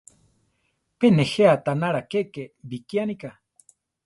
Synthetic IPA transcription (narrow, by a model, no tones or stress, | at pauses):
peneheat̪anaɾakekebikianika